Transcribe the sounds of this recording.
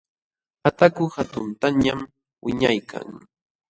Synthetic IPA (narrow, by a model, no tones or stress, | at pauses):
hat̪akʊhat̪ʊnt̪aɲam | wɪɲajkʰa̰ŋ